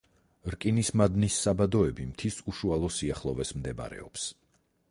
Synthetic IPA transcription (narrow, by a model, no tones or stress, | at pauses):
ɾkʼinismad̪nisːabad̪ɔɛbimt̪ʰisuʃualˠɔsiaχlˠɔvɛsmd̪ɛba̰ɾɛ̰ɔps